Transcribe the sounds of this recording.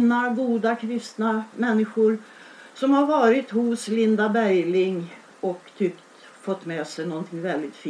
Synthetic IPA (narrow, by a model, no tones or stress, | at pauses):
naɡuːd̪akʰɾɪst̪namɛnːɪɧʊɾsɔmhaɾvɑːɾɪt̪hʊslɪnd̪abæjlɪŋː | ɔkt̪ʰʏkt̪ | fɔt̪ːmɛːsɛjnɔnt̪ʰɪŋvɛld̪ɪt̪fiː